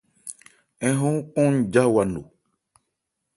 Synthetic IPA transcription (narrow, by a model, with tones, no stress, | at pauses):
ɛ̃˨˦ɦõ˦kɔ̃˦n˦˨d͡ʒa˦wa˨nṵ˨